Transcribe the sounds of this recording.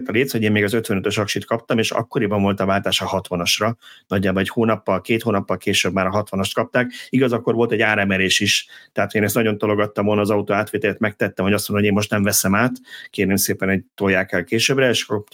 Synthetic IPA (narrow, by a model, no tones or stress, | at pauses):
t̪ɒleːshoɟeːmmeːɡɒzøt̪ʋɛnøt̪øʃɒkʃit̪kɒp̚t̪ɒmeːʃɒ̰kːo̞ɾibɒɱvo̞lt̪ɒvaːlt̪aːʃɒhɒt̪ʋɒnɒʃrɒnɒɟːaːboɛchoːnɒpːɒlkeːt̪hoːnɒpːɒlkeːʃøbmaːɾɒɦɒt̪ʋɒnɒʃt̪kɒp̚t̪aːkiɡɒzɒkːo̞rʋo̞lt̪ɛɟːaːɾɛmɛɾeːʃiʃt̪ɛɦaːt̪heːnɛst̪ɒɟo̞nt̪o̞lo̞ɡɒt̪ːɒmvolnɒːzɒut̪oːaːt̪ʋeːt̪ɛlɛt̪mɛk̚t̪ɛt̪ːɛmho̞ɟɒstmonomeːmo̞ʃt̪nɛɱvɛsɛmaːt̪keːɾneːmseːpɛno̞ɟt̪ojːaːkɛlkeːʃøbrɛeːʃɒ̥kːor